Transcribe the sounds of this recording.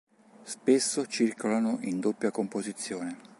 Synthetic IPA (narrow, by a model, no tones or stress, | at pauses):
spesːot͡ʃirkolanoʔind̪opːjakompozit̪sːjoːne